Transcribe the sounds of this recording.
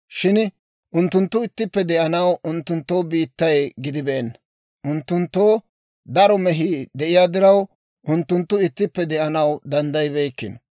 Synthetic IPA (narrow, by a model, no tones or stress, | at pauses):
ʃɪn | ʔʊnt̪ːʊnt̪ːʊɪt̪ːɪpːɛd̪ɛʔɐnɐwʊnt̪ːʊnt̪ːo̞ːbiːt̪ːɐjɡɪd̪ɪbɛʔɛnːɐ | ʔʊnt̪ːʊnt̪ːoː | d̪ɐɾɔmɛɦiːd̪ɛʔɪjaːd̪ɪɾɐw | ʔʊnt̪ːʊnt̪ːʊɪt̪ːɪpːɛd̪ɛʔɐnɐwd̪ɐnd̪ɐjbeːkːɪ̰n